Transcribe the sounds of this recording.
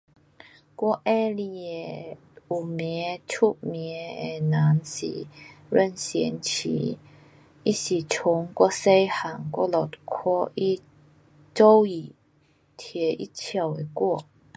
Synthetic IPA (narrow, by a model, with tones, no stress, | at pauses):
kwɔ˥˧ʔɛ˦li˧ɛ˨˩ | u˨˩mɛ˨˧˦t͡ɕʰu˥ʔ̚mɛ˨˧˦e˨˩nã˨˦nsḭ˨˩ɾə˥˧˨nsjɛ˧˦nt͡ɕʰḭ˧˨˦ | i˦˥si˨˩t͡ɕʰʊ˨˦ŋkwɔ˥˧se˦˥jha˨˩ŋkwɔ̰˥lɔ˨˩tkʰɔ˥i˦˥ | t͡so˦wi˨˩ | t̪ʰjɛ˨˦ʔḭ˦˥t͡ɕʰja˧˩we˨˩kwɔ˥˩˨